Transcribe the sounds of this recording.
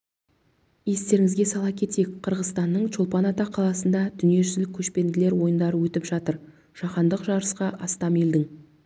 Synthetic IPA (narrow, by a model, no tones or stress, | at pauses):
je̞st̪e̞ɾɪŋɪzɡʲe̞sɑlˠɑkʲʰe̞t̪e̞jkqʰəɾʁəzst̪ɑnːəɴt͡ʃʰolˠpɑnɑt̪ɑqʰːɑlˠɑsənd̪ɑd̪̥ʏnije̞ʒʏzlɪkʲʰːɵʃpe̞nd̪ɪle̞ɾwo̞jənd̪ɑɾəwɵt̪ɪpʒ̥ɑt̪əɾ | ʒ̥ɑqɑnd̪əqʒɑɾəsqɑʔɑst̪ɑmild̪ɪŋ